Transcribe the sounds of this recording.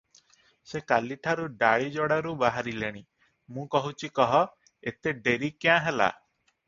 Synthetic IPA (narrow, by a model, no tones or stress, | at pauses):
sekaliʈʰaɾuɖaɭid͡ʒɔɽaɾubaɦaɾileɽ̃i | mũkɔɦut͡ʃʰikɔɦɔ | et̪eɖeɾikjãɦela̰